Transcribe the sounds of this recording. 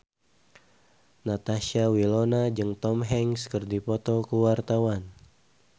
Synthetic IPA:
nat̪aʃiawilonad͡ʒɨŋt̪ɔmɦɛŋskərdipɔt̪ɔkuwart̪awan

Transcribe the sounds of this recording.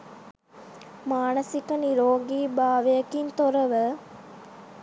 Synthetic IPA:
maːnɐsikɐniɾoːɡiːbaːʋejɐkint̪oɾəʋə

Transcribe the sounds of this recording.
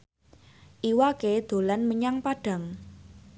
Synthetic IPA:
ʔiwaked̪̥o̤lanməɲaŋpaɖ̥a̤ŋ

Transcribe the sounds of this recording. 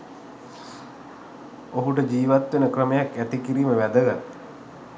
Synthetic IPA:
oɦuʈ̬əd͡ʒiːʋat̪ʋenəkrəmejakːæt̪ikiɾiːməʋæd̪əɡat̪ː

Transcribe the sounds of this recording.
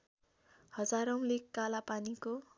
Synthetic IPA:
hʌd͡zaɾʌw̃lekːalapaniko

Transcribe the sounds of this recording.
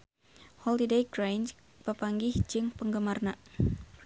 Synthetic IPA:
hɔltidejɡɾajn | pəpaŋɡɪhd͡ʒɨŋpəŋɡəmarna

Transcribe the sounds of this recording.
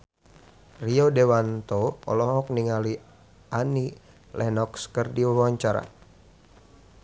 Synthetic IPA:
riodewant̪oɔ̰lɔɦɔk̚niŋali | ani | lʔɛnɔkskərdiwawaɲt͡ʃaɾa̰

